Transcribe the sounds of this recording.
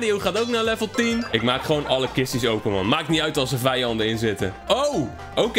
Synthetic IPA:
diuwχaːtowknaːlɛvəlˠtinɪkmaːkχʋownɑləkɪstisowpənʋɑ̰nmaːkətniœɥtɑlˠsəvɛjɑndənɪnzɪtə̰ | ow | owk

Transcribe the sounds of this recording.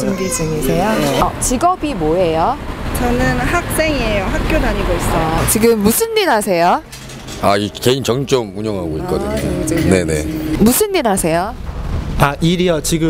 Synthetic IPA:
oŋbit͡ɕɯŋisʰejoʌt͡ɕiɡʌbimoɦejot͡ɕʌnɯnhak̚s͈e̞ŋiejoɦak̚k͈jodaɲiɡois͈ʌt͡ɕiɡɯmːusʰɯnːinɦasʰe̞jo | aike̞int͡ɕʌŋt͡ɕ͈omuɲʌŋɦaɡoikk͈ʌdɯɲo̰ne̞ne̞̰musʰɯnːinɦasʰe̞jo | aʔiɾijʌt͡ɕiɡɯ

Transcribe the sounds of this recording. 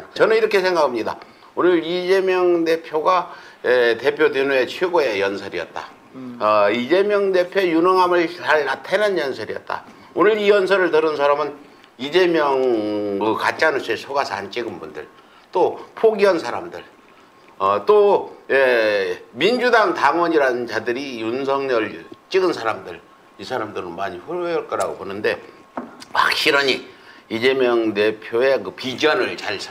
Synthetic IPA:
t͡ɕʌnɯniɾʌkʰe̞sʰeŋɡakʰamɲida̰ | onɯɾid͡ʑe̞mjʌŋde̞pʰjoɡa | ete̞pʰjodenue̞t͡ɕʰweɡoe̞jʌnsʰʌɾḭʌ̰t̚t͈a̰ | ʌid͡ʑe̞mjʌŋde̞pʰjojunʌŋɦamɯɭaɾeɾatʰenɯnjʌnsʰʌɾijʌ̰t̚t͈a̰ | onɯɾijʌnsʰʌɾɯɭtɯɾɯnsʰaɾamɯn | id͡ʑe̞mjʌŋkɯkat͡ɕ͈anɯɭsʰue̞sʰoɡasʰʌa̰nt͡ɕ͈iɡɯnbundɯ̰ɭ | t͈opʰoɡiʌnsʰaɾamdɯɭ | ʌt͈oje | mind͡ʑudaŋtaŋwʌɲiɾaɯnt͡ɕadɯɾijunsʰʌŋɲʌɭt͡ɕ͈iɡɯnsʰaɾamdɯɭ | isʰaɾamdɯɾɯnmaɲiɸɯɭejʌɭk͈ʌɾaɡobonɯnde̞ | wa̰k̚ɕ͈ʰiɾʌɲiid͡ʑe̞mjʌŋte̞pʰjoe̞kɯpid͡ʑʌnɯɭt͡ɕaɭsʰ

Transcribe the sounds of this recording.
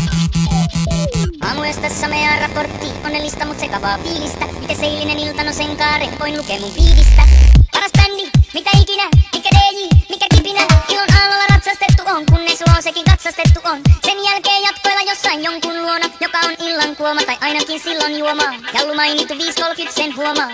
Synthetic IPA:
ʔɑ̰ːmuest̪ɑsːɑmeɑːrɑport̪ːionːelːist̪ɑmut̪sekɑʋɑ̰ːfiːlist̪æmit̪æseilːinenilt̪ɑnoseŋkɑːɾemoinlukeːmuɱfiːlist̪æpɑɾɑspænːimit̪æikinæmikæleːjimikæk̪ipinæilːonɑːlɑlːɑrɑt̪sɑst̪et̪ːuʔoŋkunːesloːsekiŋkɑt̪sɑst̪et̪ːuʔonsenjælkeːjjɑt̪kojlːɑjosːɑinjoŋkunluonɑjokɑonilːɑŋkuomɑt̪ɑjʔɑinɑkinsilːonjuomɑːjɑlːumɑinit̪ːuʋiːskolkyt̪senhuomɑː

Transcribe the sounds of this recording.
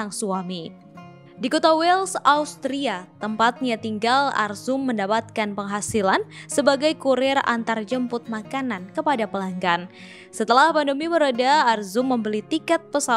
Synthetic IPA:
aŋsuami | dikɔt̪awɛlsaust̪ɾiat̪əmpat̪̚ɲat̪iŋɡala̰rzʊmːəndapat̪̚kanpəŋɦasilansəbaɡajkuɾɪra̰nt̪ard͡ʒəmpʊt̪̚makanankəpadapəlaŋɡan | sət̪əlahpandəmiməɾadaːrzʊmːəmbəlit̪ikɛt̪̚pəsa

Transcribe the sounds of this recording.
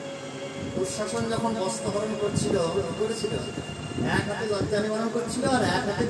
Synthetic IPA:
uʃaʃond͡ʑɔkʰonbɔst̪ɔbʱɔɾonkoɾt͡ɕʰilokoɾet͡ɕʰilo̰ | ɛkakeɡɔtd͡ʒanibaɾonkoɾt͡ɕʰiloaɾɛkʰak̪i

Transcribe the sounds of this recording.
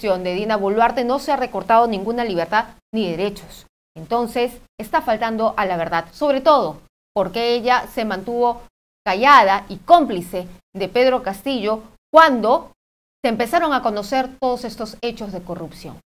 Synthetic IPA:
sjond̪eðinaβulwaɾt̪eno̞seare̞ko̞ɾt̪að̞o̞nĩŋɡunaliβ̞e̞ɾt̪aðniðeɾe̞t͡ʃo̞̥s | e̞nt̪o̞nse̞s | est̪afalt̪and̪o̞ʔalaβ̞e̞ɾðaðso̞βɾe̞t̪o̞ð̞o̞ | po̞ɾke̞eʝase̞mãnt̪uβo̞ | kaʝað̞aiko̞mplise̞ðe̞pe̞ðɾo̞kast̪iʝo̞ | kwand̪o̞ | seːmpe̞saɾo̞ŋako̞no̞se̞ɾt̪o̞ð̞ose̞st̪o̞se̞t͡ʃo̞zðe̞korupsjo̞̰ŋ

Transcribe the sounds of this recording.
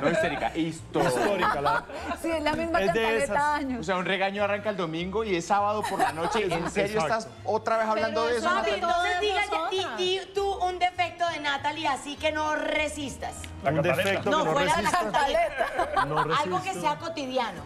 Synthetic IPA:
noist̪eɾika̰ʔist̪ooɾ | sielamizmaed̪esaɲos̬eaunreɣaɲoaraŋkaeld̪o̞mĩŋɡoiesaβaðopo̞ɾlano̞t͡ʃeenseɾjoet̪as | ot̪ɾaβesaβland̪oðeesoaoed̪iɣasaiit̪uund̪e̞fe̞k̚t̪oðenat̪aliasike̞noresist̪as | ad̪eeet̪onoweaisaat̪aaet̪anoralɡokeseakot̪iðjano

